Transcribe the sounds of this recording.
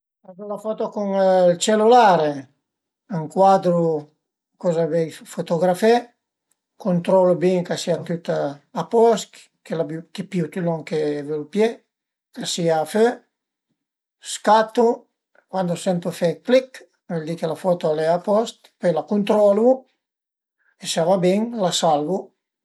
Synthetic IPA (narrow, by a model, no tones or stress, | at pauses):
adulafɔt̪okuŋlt͡ʃelulaɾe | aŋkwad̪ɾu | kɔzavɛjfot̪oɡɾafɛ | kont̪ɾɔlubiŋkasiat̪yt̪aapɔs | kelabkeput̪ylɔŋkevelupje | kasiaːfø | skat̪ːu | kwand̪osɛnt̪ufɛklik | vɛld̪ikelafɔt̪oalɛapɔst̪pøjlakunt̪ɾɔlu | esavabɛŋlasalvu